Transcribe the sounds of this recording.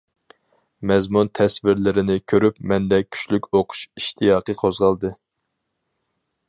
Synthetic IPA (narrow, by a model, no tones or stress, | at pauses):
mɛzmunt̪ʰɛsvɪɾlɪɾɪnɪkʲʰøɾypmɛnd̪ɛkʲʰy̥t͡ʃlykʲoqʰʊ̥ʃiʃt̪ʰijɑːqəqʰozʁɑlˠd̪ɨ